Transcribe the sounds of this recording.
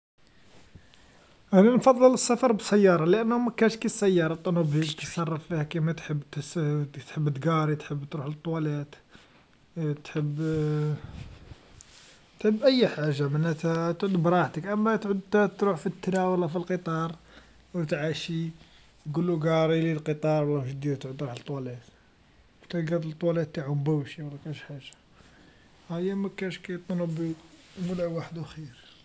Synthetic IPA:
hænænfɑðˤːələsːɑfɑɾˤbsæjːɑɾˤɑlʔənːhʊmækænʃkisːæjːɑɾˤɑt̪ˤːɑnubilk̪it̪sˤɑrˤːɑffihækimæt̪ħəbːt̪t̪ħəbːt̪ɡɑɾˤit̪ħəbːt̪ɾuħlət̪ˤːwælæt̪ | t̪ħəbː | t̪ħəbːʔæjːħaʒːamənːæt̪æt̪ʕʊd̪bɾˤɑʕt̪əkʔəmːæt̪ʕʊd̪t̪t̪ɾuħfit̪ːænæwəlːɑfilqət̪ˤɑɾˤ | wt̪ʕaʃi | ɡulːuɡɑɾˤililqət̪ˤɑɾˤwlːɑʒd̪id̪t̪ʕʊd̪ɾɑħt̪ˤːwɑlæt̪ | kt̪ælɡæd̪əlt̪ːˤwɑlæt̪ːaʕʊmbæwʃiwlːækænʃħaʒːḁ | hæjːæmækæʃkæjt̪ˤːnəbimʊlʕwaħd̪uxiɾ

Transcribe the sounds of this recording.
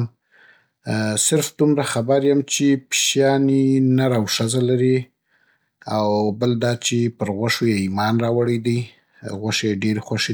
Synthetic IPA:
m | sɪɾfd̪umɾaxabaɾjamt͡ʃepʃjɑninaɾawʂazalaɾi | awbəld̪ɑt͡ʃepəɾɣwaʂojeimɑnɾɑwaɽijd̪əj | ɣwaʂejeɖeɾxwaʃe

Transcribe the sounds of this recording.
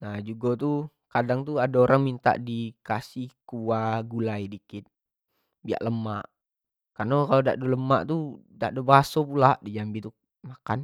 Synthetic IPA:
nahd͡ʒuɡot̪u | kadaŋt̪uadaoɾaŋmint̪a̰ʔdikasihkuaɡulaijdikɪt̪̚ | bia̰ʔləmaʔ | karnokaloda̰ʔdoləma̰ʔt̪uda̰ʔdobaɦasopulaʔdid͡ʒambit̪u | makan

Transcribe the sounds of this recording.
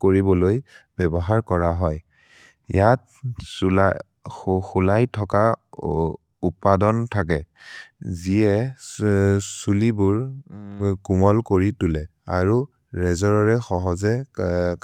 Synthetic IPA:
koɹibɔlojbɛbɔɦaɹkɔɹaɦɔj | jat̚ | sla | xulajtʰɔka | upadɔntʰak̬ɛ | ziɛ | sulibʊɹ | kumɔlkoɹitulɛa̰ɹu | ɹɛzɔɹɔɹɛxɔɦɔzɛ

